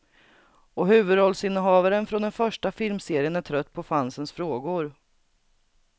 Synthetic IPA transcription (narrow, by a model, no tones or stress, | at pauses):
ɔɦʉ̟ːvɵd̪ɔlsɪnːəɦɑːvaɾənfɾɔnd̪ɛnfœʂʈafɪlmseːɾɪənæʈʰɾœt̪ːpʰɔfansənsfɾoːɡʊɾ